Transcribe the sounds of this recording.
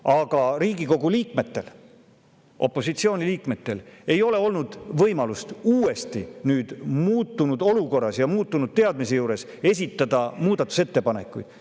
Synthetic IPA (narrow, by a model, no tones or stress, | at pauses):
ɑɡ̥ɑɾiːɡ̥iko̞ɡuliːkme̞t̪ːe̞l | ʔo̞pːˑo̞sit̪sioːnʲiliːkme̞t̪ːe̞le̞jo̞le̞o̞lnud̪̥vɤjmɑlust̪uːe̞st̪inyːd̪̥muːt̪ˑːunud̪̥o̞luko̞rːɑsjɑmuːt̪ːunud̪̥̚t̪e̞ɑd̪mis̬e̞juːɾe̞s | e̞s̬ʲit̪ːˑɑd̪̥ɑmuːd̪̥ɑt̪ːˑu̥se̞t̪ːe̞pɑne̞̰kːˑṵjd̪̥